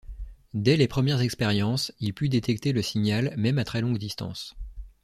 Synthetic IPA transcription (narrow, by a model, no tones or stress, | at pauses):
d̪ɛlepχəmjɛʁzɛkspɛʁjɑ̃silpyd̪et̪ɛk̚t̪eləsiɲalmɛmat̪χɛlɔ̃ɡd̪ist̪ɑ̰̃s